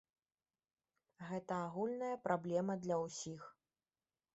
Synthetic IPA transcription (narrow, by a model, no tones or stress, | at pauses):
ɣɛt̪ɐaɣulʲnɐjɐpɾablʲɛmɐd̪lʲɐwsʲix